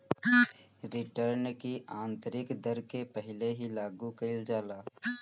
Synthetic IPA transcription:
ɾɪʈəɾnkiʔãːnt̪əɾɪkd̪əɾkepəɦɪleɦilaːɡukəɪld͡ʒaːlaː

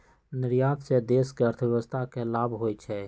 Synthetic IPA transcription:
nɪɾjaːd̪sed̪eːskeəɾt̪ʰəbjɛʋəst̪ʰakelaːbʱɦoːjt͡ʃʰɛ

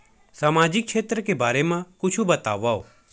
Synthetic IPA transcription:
saːmaːd͡ʒɪk̚ʃʰeːt̪ɾəkebaːɾemãkʊt͡ʃʰubɐt̪a̰ːʋaːo̰ː

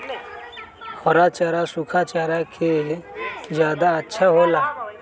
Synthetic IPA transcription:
hɔɾat͡ʃaːɾasʊkʰat͡ʃaːɾakʰe | d͡ʒjaːd̪aətːʃʰaɦoːlaː

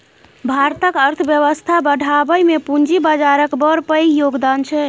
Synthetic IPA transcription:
bʱaɾt̪əkəɾt̪ʰəbjəβəst̪ʰabəɽʱabəjmepund͡ʒibad͡ʒaɾəkbəɾpəjjoɡd̪ant͡ʃʰɛ

